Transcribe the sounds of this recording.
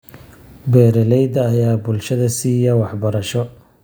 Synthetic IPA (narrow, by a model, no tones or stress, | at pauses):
bɛːɾɛlɛjd̪ɐːjaːbʊlʃɐðɐsiːjɐwɑħbɐɾɐʃɔ